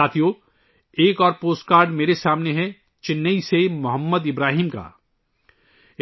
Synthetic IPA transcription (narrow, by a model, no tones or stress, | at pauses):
aːt̪ʰijo | eːkɔːɾpoːsʈ̚kaːɾɖmeːɾesaːmneɦɛ | t͡ʃɪnːəisemʊɦəmːəd̪ɪbɾaːɦiːmka̰ː